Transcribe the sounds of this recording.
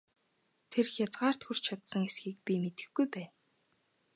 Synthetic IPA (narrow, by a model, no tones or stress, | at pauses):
t̪ʰerxʲjat͡sɢaːr̥t̪xur̥t͡ɕʰat̪sə̆ŋesɡiːk̚pʲimet̪ɘ̆xɡujpæːn